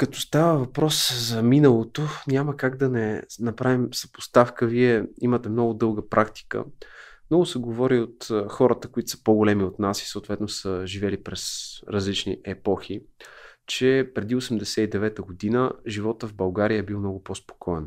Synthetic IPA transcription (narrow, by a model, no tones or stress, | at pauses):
kɐt̪ɔst̪avəvɐpɾɔszɐminəlˠot̪onʲaməkaɡd̪ɐnɛnɐpɾavimsɐ̥po̥st̪afkəviɛimət̪ɛmnɔɡʊd̪ɤlˠɡəpɾʔakt̪i̥kə̰mnɔɡʊsɛɡovɔɾiot̪xɔɾət̪əkʊit̪ʊ̥sə̥poɡolɛmiot̪nasi̥səot̪vɛt̪nosəʒivɛlipɾɛsɾɐzlit͡ʃnḭʔɛpɔxi | t͡ʃɛpɾɛd̪iosɛmd̪ɛsɛid̪ɛvɛt̪əɡod̪inəʒivɔt̪əvbɐlˠɡaɾijəɛbilˠmnɔɡʊpospo̥kʰɔɛ̰n